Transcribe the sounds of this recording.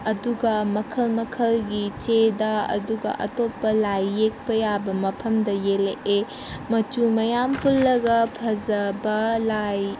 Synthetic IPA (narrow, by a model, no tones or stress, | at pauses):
ɐduɡɐmɐkʰɐlmɐkʰɐlɡit͡ʃedɐɐ̰duɡɐ̰ʔɐ̰topːɐlajːek̚pɐjabɐmɐpʰɐmdɐjeleʔe | mɐt͡ʃumɐjampulːɐɡɐpʰɐzɐbɐlaj